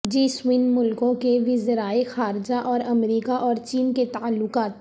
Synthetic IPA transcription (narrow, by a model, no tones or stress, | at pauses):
d͡ʒiːswɪnmʊlkõkeʋɪzɾaːexaːɾd͡ʒaʔɔːɾɐmɾiːkaʔɔːɾt͡ʃiːnket̪aːəlːʊkaːt̪